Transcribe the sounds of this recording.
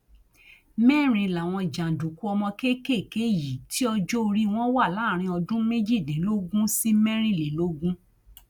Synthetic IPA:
mɛ˦˨ɾ̃ĩ˧˨la˨w̃ɔ̃˧d͡ʒã˨du˨ku˦ɔ˧mɔ̃˧ke˦ke˦˨ke˦ji˨ti˦ɔ˧d͡ʒo˦˧ɾi˦w̃ɔ̃˦wa˦˨laː˨˦˨ɾ̃ĩ˧ɔ˧dũ˦me˦d͡ʒi˦˨lẽ˨˦lo˦ɡũ˦si˦mɛ˦ɾ̃ĩ˦˨le˨lo˦ɡũ˦

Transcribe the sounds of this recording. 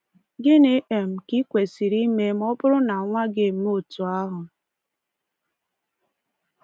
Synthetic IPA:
ɡɪ˦ne˦ʔe˨m̩˨ki˦kʷe˨si˨ɾi˦me˦m̩˦ɔ˦bʊ˦ɾʊ˦na˨ŋʷa˦ɡɪ˦˨m̩˦o˦˨tu˨a˦ɦʊ˨

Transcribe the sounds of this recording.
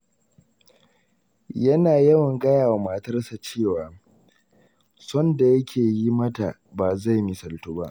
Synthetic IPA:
jɐ˦naː˨jɐ˦wɐ˨ŋɡɐ˦jaː˨wa˨maː˨tɐ˦rsa˨t͡ʃeː˦˨waː˨ | sɔ˦nda˨jɐ˦kʲʰeː˨ji˦mɐ˦ta˨ | baː˨za˦˨jmi˨sɐ˨ltu˦ba̰˦ʔ

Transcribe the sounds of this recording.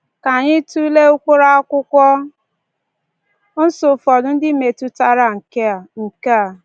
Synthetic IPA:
ka˨ɲɪ˦tu˦le˦ʊ˦kʊ˦ɾa˦a˦kʷʊ˦kʷɔ˦ | n̩˦sʊ˨fɔ˨dʊ˦n̩˦dɪ˦˨me˨tu˦ta˦ɾa˨ŋ̩˨ke˦a˨ŋ̩˨ka˦a˨

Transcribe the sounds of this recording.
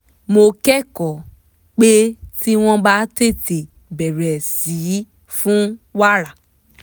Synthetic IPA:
mo˧kɛ˦˨kɔ˨ | k͡pe˦ti˦w̃ɔ̃˧ba˦te˦˨te˨ | bɛ˨ɾɛ˨siː˨˦ | fũ˦wa˦ɾa˨

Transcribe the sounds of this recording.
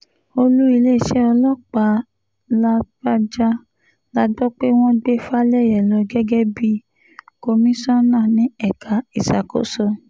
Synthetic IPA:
o˧lu˦i˧le˦˨ʃɛ˦ɔ˧lɔ˦k͡pa˨ | la˧ɡa˦d͡ʒa˦ | la˧dɔ˦k͡pe˦w̃ɔ̃˦ɡ͡be˦fa˦lɛ˦˨jɛ˨lɔ˧ɡɛ˦ɡɛ˦bi˧ | ko˧mĩ˦sɔ̃˦nãː˦˨nĩ˨˦ɛ˦˨ka˨i˨sa˨ko̰˦sɔ˧

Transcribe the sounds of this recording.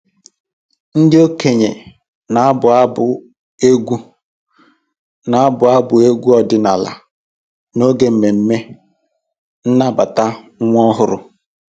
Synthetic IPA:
n̩˦dɪ˦o˦ke˨ɲe˨ | na˨a˦bʊ˨a˦bʊ˨ | e˦ɡʷu˦ | na˨a˦bʊ˨a˦bʊ˨e˦ɡʷu˦ɔ˦˨dɪ˨na˨la̰˨ | no˦ɡe˨m̩˨me˨m̩˦me˦ | n̩˦na˦ba˨ta˦ŋʷ˦ɔ˦ɦʊ˦ɾʊ̰˦

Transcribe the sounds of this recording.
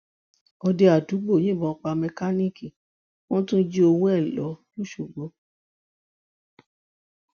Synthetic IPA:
ɔ˧de˧a˨tu˨˦ɡ͡bo˦˨jĩ˦˨bɔ̃˧k͡pa˧mɛ˧ka˦nĩ˦ki˦˨ | w̃ɔ̃˦tũ˦d͡ʒi˦o˧wũ˦ɛ˦˨lɔ˨˦nũ˦ʃu˦˨ɡ͡bo˨˦

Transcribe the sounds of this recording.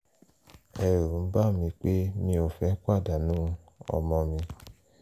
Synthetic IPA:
ɛ˨ɾũ˨˦ba˦˨mĩ˧k͡pe˦mĩ˧o˨fɛ˨˦kʷa˦˨da˨nũ˦˧˦ | ɔ̰˧mɔ̃˧mĩ˧

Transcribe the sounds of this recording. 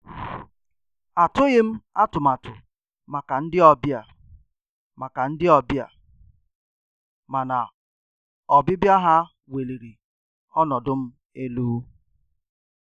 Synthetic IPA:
a˨tʊ˦ɣɪ˦m̩˦a˦tʊ˨ma˨tʊ˨ | ma˨ka˨n̩˦dɪ˦ɔ˨bja˨ | ma˨ka˨n̩˦dɪ˦ɔ˨bja̰˨ | ma˨na˨ | ɔ˨bɪ˦bja˦ɦa˦ | we˨li˨ɾi˨ | ɔ˦nɔ˨dʊ˦m̩˦ | e˦luː˦

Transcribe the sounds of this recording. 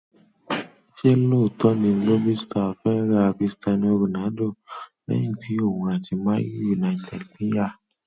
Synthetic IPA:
ʃe˦lo˦˨tɔ˦nĩ˧˦lo˦bi˦sta˨fɛ˦ɾa˦˨˧ki˧˦sta˧nĩ˧o˧bi˨nã˨˦do˦˨lɛ̰̃˦ĩ˦˨tʰi˨˦o˦˨wũ˨˧a˨ti˧mã˦ji˦ju˨na˨tɛ˨lpi˦ja˦˨

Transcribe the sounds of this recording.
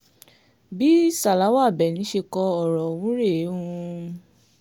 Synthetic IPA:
bi˦sa˨la˨˦wa˦˨bɛ˨nĩ˨˦ʃe˧kɔ˧ɔ˨ɾɔ˨wũ˨˦ɾe˦˨˦ũ˦˧

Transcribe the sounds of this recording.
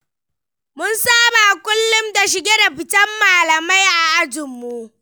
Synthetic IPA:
mʊ˦nsaː˦baː˨kʷʊ˦lːʊ˦mda˨ʃɪ˨ɡʲeː˦da˨ɸɪ˨tɐ˦mːaː˨lɐ˨ma˦jʔa˨ʔa˦d͡ʒɪ˨mːu˦ʔ

